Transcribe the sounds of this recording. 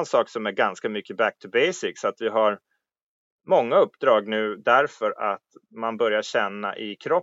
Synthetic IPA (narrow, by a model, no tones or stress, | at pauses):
nsɑːksɔmæɾɡanskamʏkːəbæk̚t̪ʰɵbɛjsɪksat̪vɪɦaɾ | mɔŋːaɵpːd̪ɾɑːɡnʉ̟ːd̪æɾfœɾat̪manbœɾjaɕɛnːa̰ʔɪkʰɾɔ